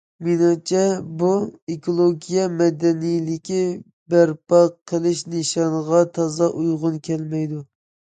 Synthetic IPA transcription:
menɑt͡ʃʰɛbuekolˠoɡʲijɛmɛd̪ɛnijlɪkʲi | bæɾpɑqʰəlˠɪʃneʃɑnʁɑt̪ʰɑzɑʔujʁʊnkʲʰɛlmɛjd̪u

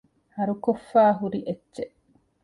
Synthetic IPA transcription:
hɐɾukofːaːɦuɾiʔetːt͡ʃeʔ

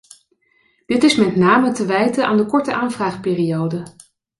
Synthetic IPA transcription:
d̥ɪtɪsmɛtnaːmətəʋɛjtəʔa̰ːndəkɔɹtəʔaːnvraːχpɪːrijowdə

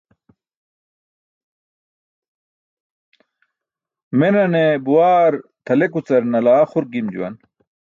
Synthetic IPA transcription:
menɐnebuwaːɾt̪ʰɐlekut͡sɐɾnɐlaːχuɾɡimd͡ʑṵwɐ̰n

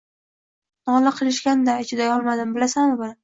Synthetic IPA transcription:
nɒlaqʰɨlˠɪʃkʲand̪aet͡ʃʰɪd̪ajɒlˠmad̪ɪmbɪlasanʊbɪna

